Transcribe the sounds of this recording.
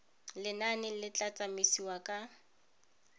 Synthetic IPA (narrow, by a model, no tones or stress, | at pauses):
lɪnanɪlɪt͡ɬʼat͡sʼamisiwakʼa